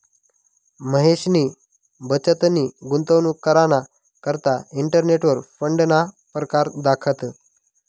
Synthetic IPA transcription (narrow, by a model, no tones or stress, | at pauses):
məɦeɕniː | bət͡ɕət̪niːɡunt̪əʋnukəɾana | kəɾt̪aiɳʈəɾneʈʋəɾfəɳɖna | pɾəkaɾd̪akʰət̪